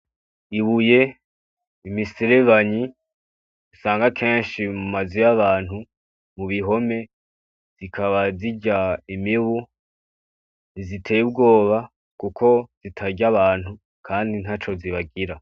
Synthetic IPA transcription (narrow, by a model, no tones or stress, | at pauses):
iβuje̞ | imiseɾeβaɲi | usaːŋɡakʰe̞ːnʃimumazojaβaːn̥hu | muβiɦo̞me̞ | z̥ikʰaβaziɟaimiwu | nzitʰe̞jub̚ɡo̞ːβa | kukʰo̞z̥itʰaɟaβaːn̥hu | kʰaːndin̥ɦat͡ʃo̞ziβaɡiɾa